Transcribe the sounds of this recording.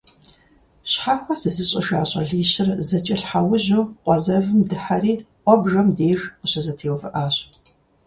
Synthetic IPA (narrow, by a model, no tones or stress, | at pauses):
ɕħaːxʷɔsɨzɨɕʼɐ̰ʃaːɕʼɐ̰ɮiːɕɪrzɐt͡ʃʼɪɬħawʊʑowqʷɔzɐvɨmdɨħaɾiː | ʔʷʼɔbʒɐmdeːʒqʊɕɐzɐtʰeːwvɨʔaːɕ